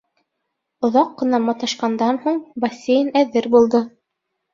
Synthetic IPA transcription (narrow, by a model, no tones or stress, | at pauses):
ŏðɑqːɤ̆nɑmɑt̪ɑʃqɑnd̪ɑnhuɴbɐsʲːejnæðɘɾbulˠd̪ɤ